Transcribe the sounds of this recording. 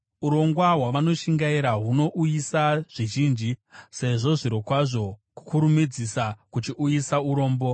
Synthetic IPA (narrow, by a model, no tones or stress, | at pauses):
uɾo̞ŋɡwaɦwaʋano̞ʃiŋɡaiɾaɦuno̞ʔujisaʐ̥iʒiːnd͡ʒise̞ʐo̞ʐiɾo̞kwaʐo̞ku̥kuɾumid͡zisakut͡ʃiʔujisauɾo̞ːmbo̞